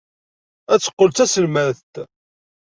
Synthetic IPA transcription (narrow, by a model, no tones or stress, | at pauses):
æt͡sːə̥qːəlt͡s̪æsəlmæθt̪